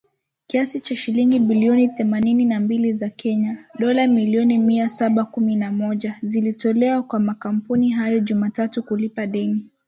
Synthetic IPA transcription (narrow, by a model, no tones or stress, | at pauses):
kiasit͡ʃaʃiliŋɡiɓiliɔniθɛmanininambilizakʰɛɲaɗɔlamiliɔnimiasaɓakuminamɔʄazilitɔlɛwakwamakam̩puniɦajɔʄumatatukulipaɗɛni